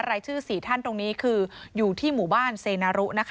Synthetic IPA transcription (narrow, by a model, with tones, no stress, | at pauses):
ɾaː˧jt͡ɕʰɯː˥˩siː˨˩t̪ʰa˥˩nt̪o˧ŋniː˦˥kʰɯː˧juː˨˩t̪ʰiː˥˩muː˨˩˦baː˥˩nseː˧naː˧ɾu˦˥ʔna˦˥kʰ